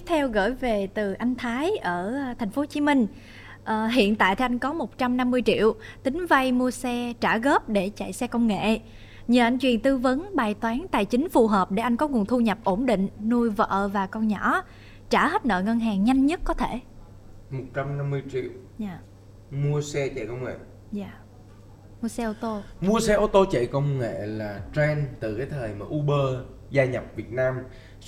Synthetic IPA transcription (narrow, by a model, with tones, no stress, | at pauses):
t̪ʰɛ˧wɣə̰ː˧˩jve˨˩t̪ɨ˨˩ʔa˧jŋ̟t̪ʰaː˨˦jʔəː˧˩t̪ʰa˨˩jŋ̟fo˨˦t͡ɕi˨˦mï˧ŋ̟ | ʔəː˨˧˩ɦḭ˧˨ənt̪a̰ː˧˨jt̪ʰɛ˧ʔa˧jŋ̟kɔ˨˦mo˨˩t̚t͡ɕa˧mna˧mːɨ˧əjt͡ɕḭ˧˨əwt̪ï˨˦ŋ̟va˧jmu˧əsɛ˧t͡ɕaː˧˩ɣəː˦˥p̚ɗe˧˩t͡ɕa̰˧˨jsɛ˧kə˧wŋ͡mŋḛ˧˨ | ɲəː˨˩ʔa˧jŋ̟t͡ɕwi˨˩ənt̪ɨ˧və˨˦nɓaː˨˩jt̪waː˨˦nt̪a̰ː˧˨jt͡ɕï˨˦ŋ̟fu˨˩ɦəː˨˩p̚ɗe˧˩ʔa˧jŋ̟kɔ˨˦ŋu˨˩ənt̪ʰu˧ɲə˨˩p̚ʔo˧˩nɗḭ̈˧˨ŋ̟nu˧jvə̰˧əː˧˨vaː˨˩kə˧wɲɔ˧˩˥ | t͡ɕaː˧˩hə˦˥t̚nə̰ː˧˨ŋə˧nɦaː˨˩ŋɲa˧jŋ̟ɲə˦˥t̚kɔ˨˦t̪ʰe˧˩ | mo˨˩t̚t͡ɕa˧mna˧mːɨ˧əjt͡ɕḭ˧˨w | ɲaː˨˩ | mu˧əsɛ˧t͡ɕɛ̰˧˨jkə˧wŋ͡mŋḛ˧˨ | zaː˨˧˩ | mu˧əsɛ˧ʔo˧t̪o˧mu˧əsɛ˧ʔo˧t̪o˧t͡ɕḛ˧˨jkə˧wŋ͡mŋḛ˧˨laː˨˩t͡ɕɛ˧nt̪ɨ˨˩kaː˨˦jt̪ʰəː˨˩jmaː˨˩ʔu˧ɓəː˧zaː˧ɲa˨˩p̚vi˨˩ət̚naː˧m